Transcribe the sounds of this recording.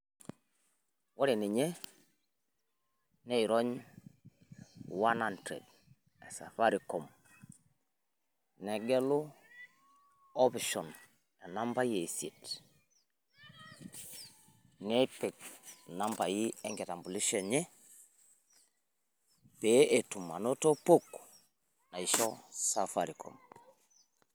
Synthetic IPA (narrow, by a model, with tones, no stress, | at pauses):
wa˦ɾi˨ni˨ɲe˦ | ne˦i˨ɾo˦ɲ | wa˦na˨ntɾḛ˨d | ɛ̰˨sa˨fa˦ɾi˨kɔ˨m | nɛ˨ɡɛ˦lu˦ | ɔ˦pi˨ʃɔ˨n | a˨na˦mba˦je˨se˨t | ne˦pe˨k̚na˦mba˨ji˦e˦ŋɡe˨ta˨mbu˨li˦ʃe˨ɲe˦ | pe˦ʔe˨tu˨mːa̰˨no˦to˦po˦k | na˨i˨ʃo˦sa˨fa˨ɾiko̰˨m